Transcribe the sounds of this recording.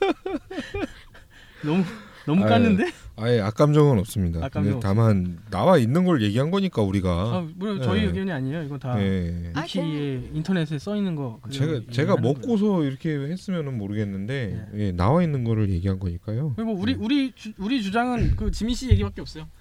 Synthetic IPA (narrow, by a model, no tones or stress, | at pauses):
nʌmu | nʌmuk͈anːɯnde̞ajeak͈amd͡ʑʌŋɯnʌp̚s͈ɯmɲidakdetamanːa̰wainːɯnɡʌɾɯɭje̞ɡiɦanɡʌɲik͈auɾiɡaamoɾʌt͡ɕʌijeɡʌɲiaɲejoiɡʌtaje̞kʰieintʰʌne̞sʰɯɭs͈ʌinːɯnɡʌkt͡ɕeɡat͡ɕe̞ɡamʌkk͈os̬ʰʌiɾʌkʰe̞he̞s͈ɯmjʌnɯnmoɾɯɡe̞nːɯnde̞je̞na̰wainːɯnɡʌɾɯɭje̞ɡiɦanɡʌɲik͈ajoɯmʌuɾiuɾit͡ɕuuɾit͡ɕud͡ʑaŋɯnkɯt͡ɕimiɕ͈ije̞ɡibak͈eʌp̚s͈ʌjo